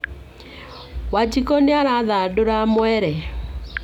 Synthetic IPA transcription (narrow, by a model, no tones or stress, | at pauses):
wad͡ʒikɔneaɾaðadoɾamwɛɾɛ